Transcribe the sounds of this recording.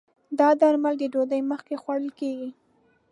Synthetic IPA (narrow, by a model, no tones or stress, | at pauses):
d̪ɑd̪aɾmald̪əɖod̪əjməxkexwaɽəlkeɡi